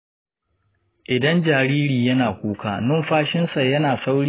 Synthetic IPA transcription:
ʔɪ˨dɐ˦nd͡ʒaː˨ɾiː˦ɾiː˨jɐ˦naː˨kʷuː˦kaː˨nʊ˦mɸaː˦ʃɪ˦nsa˨jɐ˦naː˨sa˦wɽiː˦

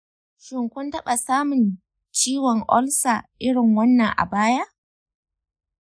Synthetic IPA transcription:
ʃɪ˨ŋkʷʊ˦ntɐ˦ɓa˨saː˦mʊ˨n | t͡ʃiː˦wɔ˨ŋʔɔ˦lsa˨ʔɪ˦ɽɪ˨ŋwɐ˦nːɐ˨ŋʔa̰˨baː˦ja˦ʔ

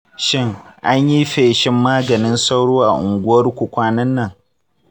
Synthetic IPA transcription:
ʃɪ˦ŋʔa˦ɲji˦ɸeː˨ʃɪ˦mːaː˦ɡɐ˨nɪ˦nsa˦wɽoː˦ʔa̰˨ʔʊ˨ŋɡʷʊ˦wɐ˦rkʷʊ˨kʷaː˦nɐ˦nːɐ˦˨ŋ

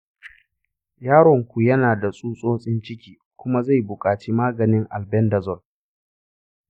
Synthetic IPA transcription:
jaː˦ɽɔ˨ŋkʷu˨jɐ˦naː˨da˨sʼuː˦sʼoː˦sʼɪ˦nt͡ʃɪ˦kʲiː˦ | kʷʊ˦ma˦za˦˨jbʊ˨kʼaː˨t͡ʃiː˦maː˦ɡɐ˨nɪ˦ŋʔa˨lbɛ˦ndɐ˨zɔ˦˨l

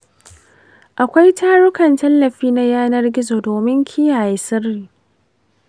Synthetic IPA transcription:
ʔa˨kʷa˦jtaː˦ɽʊ˦kɐ˨ntɐ˦lːɐ˨ɸiː˦na˦jaː˦nɐ˦rɡʲɪ˦zo˨doː˨mɪ˦ŋkʲʰi˦jaː˨ji˨sɪ˦rːiː˨

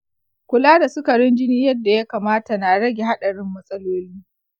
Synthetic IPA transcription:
kʷʊ˨laː˦da˨sʊ˦kɐ˨ɽɪ˦nd͡ʒɪ˦niː˦jɐ˦dːa˨ja˦kaː˨maː˦ta˨na˨ɽɐ˦ɡʲe˨ɦa˦ɗɐ˨ɽɪ˦mːɐ˦sʼɐ˦loː˦liː˦

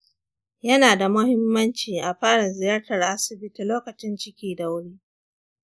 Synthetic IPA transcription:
jɐ˦naː˨da˨mʊ˦hɪ˦mːɐ˦nt͡ʃiː˨ʔa˨ɸaː˦ɽa˨zɪ˨jɐ˦rtɐ˨rʔa˦sɪ˨bɪ˦ti˨loː˦kɐ˨t͡ʃɪ˦nt͡ʃɪ˦kʲiː˨da˨wʊ˦ɽiː˦

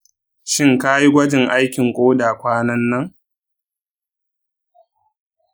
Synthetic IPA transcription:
ʃɪ˦ŋka˦ji˦ɡʷɐ˦d͡ʒɪ˨ŋʔa˦jkʲɪ˨ŋkʷʼoː˦daː˨kʷaː˦nɐ˦nːɐ˦ŋ

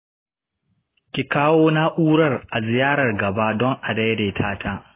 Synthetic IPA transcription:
kʲi˨kaː˦woː˦na˦ʔuː˦ɽɐ˦rʔa˨zɪ˨jaː˦ɽɐ˨rɡɐ˨ba˦dɔ˦ŋʔa˨da˦jdeː˨tʰaː˦tʰaː˦

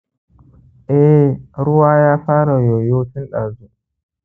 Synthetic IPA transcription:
ʔɛ˦˨ɾu˦wa˦jaː˦ɸaː˦ɾa˨jɔ˨jo˦ti˦nɗa˨zu˦

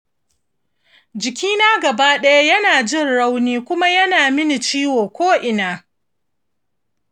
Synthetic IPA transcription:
d͡ʒɪ˨kʲiː˦naː˦ɡɐ˨baː˦ɗɐ˦ja˦jɐ˦naː˨d͡ʒɪ˦˨nɽa˦wniː˦kʷʊ˦ma˦jɐ˦naː˨mɪ˦ni˨t͡ʃiː˦woː˨kʷoː˦ʔɪ˨naː˨

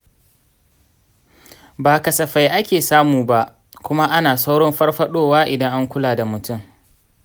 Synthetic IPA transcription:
baː˨kɐ˨sɐ˨ɸa˨jʔa˦kʲeː˨saː˦muː˨ba˦ʔ | kʷʊ˦ma˦ʔa˦naː˨sa˦wɽɔ˦mɸɐ˦rɸɐ˦ɗoː˦waː˦ʔɪ˨dɐ˦ŋʔa˦ŋkʷʊ˦laː˨da˨mʊ˨tʊ˦˨m

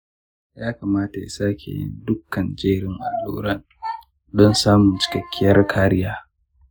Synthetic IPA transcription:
jaː˦kaː˨maː˦ta˨ja̰˨saː˦kʲḛː˨jɪ̰˦ndʊ˦kːɐ˨nd͡ʒeː˦ɾɪ˦ŋʔa˨lːṵː˦ɾɐ˦n | dɔ˦nsaː˦mʊ˨nt͡ʃɪ̥˨kɐ˨kʲːɪ˦jɐ˦rkʰaː˦ɾɪ˦jaː˦

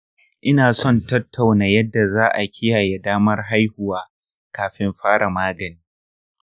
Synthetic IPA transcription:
ʔɪ˦naː˨sɔ˦˨ntɐ˦tʰːa˨wnaː˨jɐ˦dːa˨zaː˦ʔa˨kʲʰɪ˦jaː˨je˨daː˦mɐ˦rɦa˦jhʊ˨waː˦ | kaː˨ɸɪ˦mɸaː˦ɽa˨maː˦ɡɐ˨niː˦

